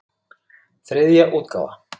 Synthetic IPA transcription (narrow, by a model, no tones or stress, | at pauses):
θɾeðijaʔuːt̪̚ka̰la̰